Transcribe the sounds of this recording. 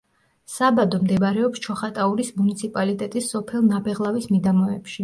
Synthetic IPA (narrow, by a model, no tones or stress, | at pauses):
sabad̪ɔmd̪ɛbaɾɛɔpst͡ʃʰɔχat̪ʼauɾismunit̪sʰipʼalit̪ʼɛt̪ʼisːɔpʰɛlˠnabɛʁlˠavismid̪amɔɛpʃi